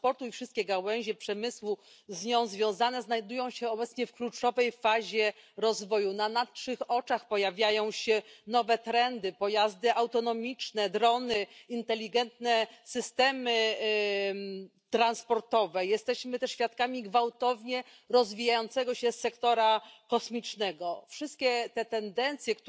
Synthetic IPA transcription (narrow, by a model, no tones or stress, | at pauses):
pɔɾt̪uifʂɨst̪̚kʲɛɡawɛw̃ʑɛpʂɛmɘswu | zɲɔ̃w̃zvʲjɔ̃w̃zanɛznajd̪ujɔ̃w̃ɕɛɔbɛt̪sɲɛfklut͡ʂɔvɛjfaʑɛɾɔzvɔjunanat̪ʂɘxɔt͡ʂaxpɔjavʲjajɔ̃w̃ɕɛnɔvɛt̪ɾɛnd̪ɘpɔjazd̪ɘʔawt̪ɔnɔmʲit͡ʂnɛd̪ɾɔnɘint̪ɛlʲːiɡɛnt̪̚nɛsɘst̪ɛmɘ | t̪ɾanspɔɾt̪ɔvɛjɛst̪ɛɕmɘt̪ɛʂɕfʲjat̪̚kamʲiɡvawt̪ɔvɲɛ | ɾɔzvʲijajɔnt̪sɛɡɔɕɛsːɛkt̪ɔɾakɔsmʲit͡ʂnɛɡɔfʂɘst̪̚kʲɛt̪ɛt̪ɛnd̪ɛnt̪sʲjɛk